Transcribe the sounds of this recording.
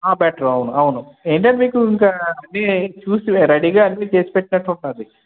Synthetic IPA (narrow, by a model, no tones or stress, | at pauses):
aːbɛːʈɐɾɐwunuɐwunueːɳʈɐnɖmiːkuiŋkɐɐnːiːt͡ʃuːsiɾɐɽiɡaːɐnːit͡ʃe̞ːsi̥peʈːinɐʈːuɳʈund̪i